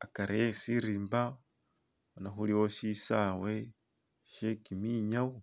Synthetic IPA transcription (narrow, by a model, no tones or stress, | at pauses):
akaɾeesiɾiːmba | onaxuliwoʃisawe | ʃekimiɲawo